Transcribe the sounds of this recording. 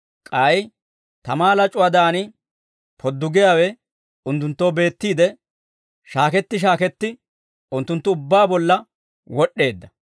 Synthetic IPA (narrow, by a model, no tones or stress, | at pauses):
kʼɐj | t̪ɐmaːlɐt͡ʃʼʊwaːd̪aːnɪ | pʰɔd̪ːʊɡɪjaːwɛ | ʊnt̪ːʊnt̪ːo̞ːbe̞ːt̪ːiːd̪ɛ | ʃaːkɛt̪ːɪʃ̬aːkɛt̪ːɪ | ʊnt̪ːʊnt̪ːʊʊbːaːbɔlːɐ | wɔɗʔːe̞ːd̪ːɐ